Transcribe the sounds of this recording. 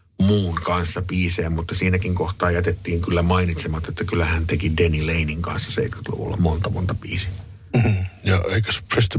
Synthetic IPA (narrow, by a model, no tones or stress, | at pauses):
muːŋkɑnsːɑpiːseːmmut̪ːɑsiːnækiŋkoht̪ˑɑːjæt̪et̪ːiːŋkylːæmɑinit̪semɑt̪ːet̪ːækylːˑæhænt̪ekidenileiniŋkɑ̰nsːɑsḛit̪ky̥t̪lṵʋṵlːɑ̰mont̪ɑmo̰nt̪ɑpḭːsi | m̥̩jɑeikæsprest̪